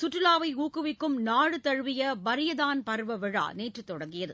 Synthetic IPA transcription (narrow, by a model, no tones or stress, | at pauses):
sʊʈrɪlaːʋɐɪuːkɯʋɪkːɯmnaːɻɯt̪ɐɻʋɪjɐbɐɾɪjɐðaːnpɐɾʋɐʋɪɻa̰ːneːʈrɯt̪ːɔɽɐŋɡɪjɐðɯ